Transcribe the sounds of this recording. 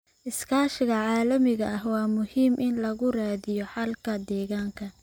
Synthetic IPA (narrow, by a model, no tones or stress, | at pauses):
ʔɪskʰaːʃɪɣɐʕɑːlɐmɪɣɐʔɐhwɑːmʊhiːmʔɪnlɐɣʊraːðɪjɔħɑlkʰɐd̪ɛːɣaːŋkʰɐ